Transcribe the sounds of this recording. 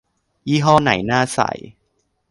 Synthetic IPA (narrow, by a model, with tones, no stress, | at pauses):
jiː˥˩ɦɔː˥˩na̰˩˦jnaː˥˩sa̰˨˩˦j